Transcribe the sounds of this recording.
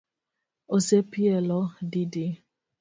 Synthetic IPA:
osepielɔdidi

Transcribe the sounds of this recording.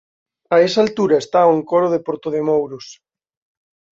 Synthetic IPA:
aesalt̪uɾɐest̪aoeŋkoɾoð̞epoɾt̪oðemowɾos

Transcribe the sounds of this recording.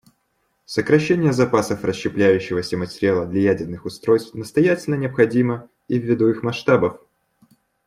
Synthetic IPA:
səkɾɐɕːenʲɪjəzɐpasəfrəɕɕːɪplʲæjʉɕːɪvəsʲəmətʲɪɾʲɪalˠəd̪lʲɐjædʲɪrnɨxʊst̪ɾo̞jst̪fnəst̪ɐjætʲɪlʲnənʲɪɐpxɐdʲimə | ivʲːɪd̪uixmɐʂt̪abəf

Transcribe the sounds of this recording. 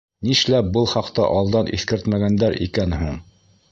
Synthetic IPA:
niʃlæbɤlˠχɑqt̪ɑ̰ʔɑlˠd̪ɑnʔḭθkɘɾt̪mæɡænd̪æɾʔḭkænɦuɴ

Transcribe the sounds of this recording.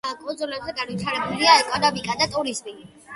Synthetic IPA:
kʼɔd̪zɔlabzɛɡanvit̪ʰaɾɛbuliaɛkʼɔnamikʼad̪at̪ʼuɾizmi

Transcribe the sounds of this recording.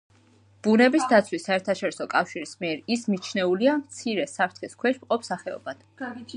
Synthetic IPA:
b̥unɛbisd̪at̪sʰwisːaɛɾt̪ʰaʃɔɾisɔkʼafʃiɾismiɛɾismit͡ʃʰnɛuliamt̪sʰiɾɛsapʰɾt̪ʰχiskʰwɛʃmqʼɔpsaχɛɔ̰bad̪̥

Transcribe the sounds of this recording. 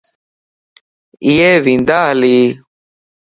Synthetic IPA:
ieːʋĩnd̪aːɦliː

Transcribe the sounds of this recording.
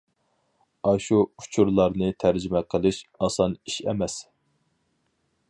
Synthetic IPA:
ɑʃuu̥t͡ʃʰuɾlˠɑɾnɨt̪ʰæɾd͡ʒimɛqʰəlˠɨʃɑsɑniʃɛ̰mɛs

